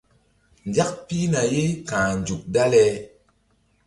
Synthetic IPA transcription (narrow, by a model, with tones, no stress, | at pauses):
nd͡ʒa˦k̚pi˦na˨je˦kã˨n˨d͡ʒu˨k̚da˦lɛ˦